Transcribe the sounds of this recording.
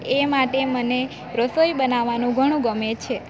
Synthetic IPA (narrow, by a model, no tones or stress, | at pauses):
emaʈeməne | ɾəsojbənaʋanũɡʱəɽ̃ũɡəmet͡ʃʰe